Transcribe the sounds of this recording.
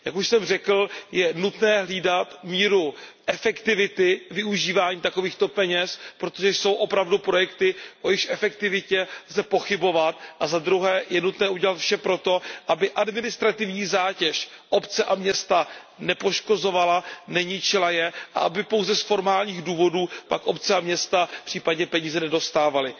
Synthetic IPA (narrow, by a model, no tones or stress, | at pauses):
jakuʃsɛmr̝ɛkl̩jɛnut̪nɛːɦliːdat̪miːɾuʔɛfɛkt̪ɪvɪt̪ɪvɪuʒiːvaːɲiːt̪ako̞viːxt̪o̞pɛɲɛspɾot̪oʒɛjso̞wʔo̞pɾavdupɾo̞jɛkt̪ɪʔo̞jɪxʃʔɛfɛkt̪ɪvɪcɛzɛpo̞xɪbo̞vat̪ʔazad̪ɾuɦɛːjɛnut̪nɛːʔuɟɛlat̪fʃɛpɾo̞t̪o̞ʔabɪʔadmɪnɪst̪ɾat̪ɪvɲiːzaːcɛʃʔo̞pt͡sɛʔamɲɛst̪a | nɛpo̞ʃko̞zo̞valanɛɲɪt͡ʃɪlajɛʔa̰ʔabɪpo̞wzɛsfo̞ɾmaːlɲiːɣduːvo̞duːpa̰kʔo̞pt͡sɛamɲɛst̪apr̥iːpadɲɛpɛɲiːzɛnɛdo̞st̪aːvalɪ